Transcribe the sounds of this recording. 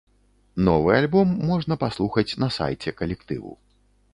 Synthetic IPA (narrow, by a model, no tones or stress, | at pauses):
nɔvɨalʲbɔmːɔʐnɐpaslˠuxɐt͡sʲnɐsa̰jt͡sʲɛkɐlʲɛkt̪ɨ̰vṵ